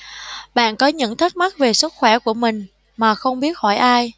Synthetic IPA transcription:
ɓa̰ː˧˨nkɔ˨˦ɲɨ̰˧˥ŋt̪ʰə˦˥t̚ma˦˥t̚ve˨˩sɨ˦˥t̚xwɛ˧˩ku˧˩əmï˨˩ŋ̟ | maː˨˩xə˧wŋ͡mɓi˦˥ət̚hɔ˧˩jʔaː˧j

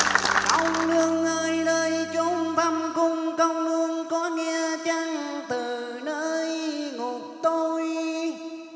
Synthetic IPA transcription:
ʔə˧wŋ͡mlɨ˧əŋʔəː˧jləː˧jt͡ɕo˨˦ŋ͡mɓa˧ŋ͡mkʊ˧ŋ͡mkə˧wŋ͡mlɨ˧əŋkɔ˨˦ŋɛ˧ət͡ɕa˧ŋt̪ɨ˨˩ | nəː˧jŋu˨˩k̚t̪o˧j

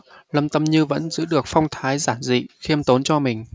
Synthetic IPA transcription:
lə˧mt̪ə˧mɲɨ˧və̰˧˥nzɨ̰˧˥ɗɨ˨˩ək̚fa˧wŋ͡mt̪ʰaː˨˦jzaː˧˩nzḭ˧˨xi˧əmt̪o˨˦nt͡ɕɔ˧mï˨˩ŋ̟

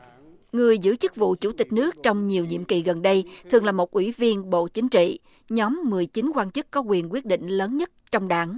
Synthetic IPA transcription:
ŋɨ˨˩əjzɨ̰˧˥t͡ɕɨ˦˥k̚vṵ˧˨t͡ɕu˧˩t̪ï˨˩k̟̚nɨ˦˥ək̚t͡ɕɔ˧wŋ͡mɲi˨˩əwɲḭ˧˨əmki˨˩ɣə˨˩nɗə˧jt̪ʰɨ˨˩əŋlaː˨˩mo˨˩t̚ʔwi˧˩vi˧ənɓo̰˧˨t͡ɕï˨˦ŋ̟t͡ɕḭ˧˨ | ɲɔ˨˦mːɨ˨˩əjt͡ɕi˨˦ŋkwaː˧nt͡ɕɨ˦˥kːɔ˨˦kwi˨˩ənkwi˦˥ət̚ɗḭ˧˨ŋ̟ləː˨˦nɲə˦˥t̚t͡ɕɔ˧wŋ͡mɗaː˨˦ŋ

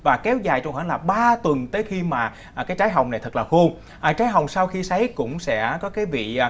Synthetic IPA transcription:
vaː˨˩kɛ˨˦wzaː˨˩jt͡ɕɔ˧ŋ͡mhəː˧˩nlaː˨˩ɓaː˧t̪wə˨˩nt̪əː˨˦jxi˧maː˨˩˨ | kaː˨˦jt͡ɕaː˨˦jɦa˨˩wŋ͡mna˨˩jt̪ʰɨ˨˩k̚laː˨˩xu˧ŋ͡m | ʔəː˨˩t͡ɕaː˨˦jɦa˨˩wŋ͡msaː˧wxi˧sə˨˦jkʊ̰˧˥ŋ͡msɛ̰˧˥kɔ˨˦kaː˨˦jvḭ˧˨˩

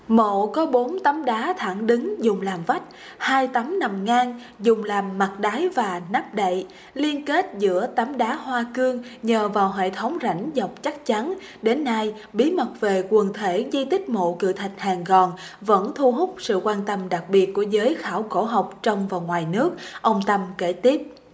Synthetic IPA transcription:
mo̰˧˨kɔ˨˦ɓo˨˦nt̪a˨˦mɗaː˨˦t̪ʰa˧˩ŋɗɨ˨˦ŋzʊ˨˩ŋ͡mlaː˨˩mva˦˥t̚ | haː˧jt̪a˨˦mna˨˩mŋaː˧ŋ | zʊ˨˩ŋ͡mlaː˨˩mːa˨˩t̚ɗaː˨˦jvaː˨˩na˦˥p̚ɗə̰˧˨j | li˧ənke˦˥t̚zɨ̰˧˥ət̪a˨˦mɗaː˨˦ɦwaː˧kɨ˧əŋɲəː˨˩vaː˨˩wɦḛ˧˨t̪ʰə˨˦wŋ͡mza̰˧˩jŋ̟zə˨˩wk͡p̚t͡ɕa˦˥k̚t͡ɕa˨˦n | ɗe˨˦nːa˧j | ɓi˨˦mə˨˩t̚ve˨˩kwə˨˩ənt̪ʰe˧˩zi˧t̪ï˦˥k̟̚mo̰˧˨kɨ̰˧˨t̪ʰa˨˩k̟̚haː˨˩ŋɣɔ˨˩nvə̰˧˥nt̪ʰu˧ɦʊ˦˥k͡p̚sɨ̰˧˨kwaː˧nt̪ə˧mɗa˨˩k̚ɓi˨˩ət̚ku˧˩əzəː˨˦jxaː˧˩wko˧˩ɦa˨˩wk͡p̚t͡ɕɔ˧wŋ͡mvaː˨˩wŋwaː˨˩jnɨ˦˥ək̚ʔə˧wŋ͡mt̪ə˧mke˧˩t̪i˦˥əp̚

